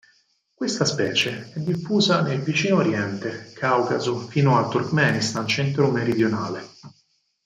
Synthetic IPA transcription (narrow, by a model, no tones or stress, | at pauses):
kwest̪aspɛːt͡ʃeɛd̪ːifːuːzanelvit͡ʃiːnooɾjɛnt̪ekʰawkazofiːnoat̪ːurkmɛːnist̪ant͡ʃɛnt̪ɾomeɾid̪jonaːle